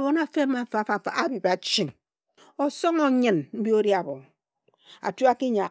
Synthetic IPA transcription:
bo˨˦na˦fe˦ma˨˦fa˨fa˨fa˨ʔa˦bi˨ba˨t͡ʃi˨ŋ | o˨so˦ŋo˨ɲɨ˨nm̩˦bi˦o˦ɾja˨bo˨ | a̰˨tu˦a˦ki˦ɲa˨

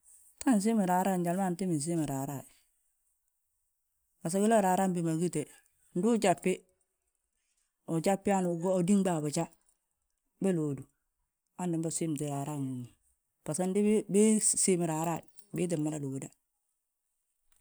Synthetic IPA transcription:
ta˦ns̬i˦mi˨ɾaː˨ɾa˦˨nd͡ʒa˨lma˦˨n˨ti˦mi˨s̬i˦mi˨ɾaː˨ɾa˦˨ | ba˨s̬a˦ɡi˦lo˦ɾaː˨ɾaː˦mbi˨ma˨ɡi˦te˨ | n˦du˦t͡ʃa˨pːɪ˦ | u˨t͡ʃa˦pːi˦a˦n˨ɡo˨di˦ŋba˦˨ba˨t͡ʃa˦ | be˦loː˨du˨ | a˦ndi˨mba˦˨si˦m˨ti˨ɾa˨ɾa˦mi˨u˨ | b̥a˨sa˦ndi˦be˦si˦mi˨ɾa˨ɾa˦˨ | bi˦t̬i˨mːa˦la˦lu˨u˨da˦

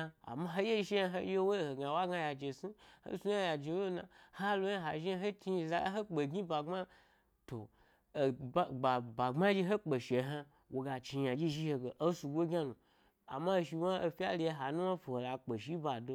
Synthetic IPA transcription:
a̰˨ma˦ɦo˦je˦ʃi˦a˧ɦo˦je˦wo˦˨ho˨ɡa˨wa˦ɡa˧ja˨d͡ʒe˨si˦ho̰˦su˦a˦ja˨d͡ʒe˨wo˦na̰˨ha˦lo˦ja˦ɦa˨ʒi˦a˦ɦe˦ti˧za˦ɦe˦k͡pe˨ɡʲi˦ba˨ŋ͡ma˦ | to̰˨ | ba˨ɡ͡ba˨ba˨ɡ͡ba˦d͡ʒi˦ɦo˦k͡pe˨ʃe˨ɦa˧ | wo˨ɡa˨t͡ʃi˨˧ja˨d͡ʒi˦ʒi˦he˧ɡe˨ʔo˦su˨ɡʷo˦ɡʲa˦nu˨ | a̰˨ma˦˨ʃi˧wa˦o˧fi˦a̰˦li˧e˧ɦa˨nũ˦wa˦fu˨ho˨la˨k͡pe˨ʃi˦ba˨do˧

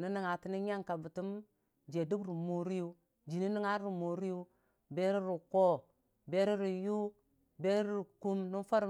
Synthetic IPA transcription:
ni˦ni˦ŋa˨ti˨˦ni˦ɲa˦ŋka˨bi˨ti˦m | d͡ʒe˨du˦kɾu˨mo˨ɾi˦ju˦ | d͡ʒi˨ni˦ni˦ŋa˦ɾɾi˨mo˨ɾi˦ju˦ | be˦ɾi˦ɾi˨ko˦ | be˦ɾi˦ɾi˨ju˦ | be˦ɾi˦ɾi˨ku˦mni˦fa˦ɾ

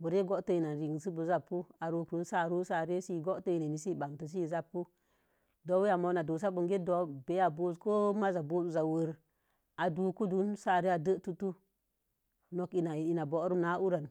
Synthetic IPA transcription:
bu˨ɾe˦ɡo˦ʔtə˦i˨na˨n˨ɾi˨ŋ˨s̬ɨ˦bu˨za˦pːu˦a˨ɾo˧kɾu˦n˦sa˦˨ɾu˦sa˨ɾe˦si˦˨ɡo˦tə˦i˨ne˨ni˨si˦˨ba˨ŋ˨tə˨s̬i˦˨za˦pːu˦ | do˨˦wi˦ja˨mo˧˨na˨do˨s̬a˦bu˨ŋɡe˦do˨˦be˨˦a˨bo˧zko˦ma˦za˨bo˦su˨za˨wə˨ɾ | a˨du˨˧ku˦du˦nsa˦˨ɾe˦a˨də˦ʔtu˦tu˦ | no˨ki˨na˨i˨na˨bo˨˦ɾu˦na˨˦u˦ɾa˨n

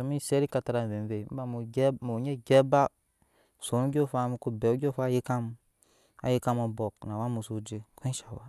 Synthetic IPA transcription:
a˨mi˦˨se˦ɾi˦ka˧ta˧ɾa˧˨ve˨m˦ve˨m̩˦ba˨mu˨˦mo˨ɲe˦ɡʲɛ˦ba˦˨ | so˨˦nu˦ɡʲo˦˨fa˧mu˧˦ku˦be˨u˦ɡʲo˦fa˦je˦ka˦m | a̰˨je˦ka˦˧mo˧bɔ˨kna˨wa˦mu˨so˨d͡ʒe˨kʷe˦ʃa˨wa˦

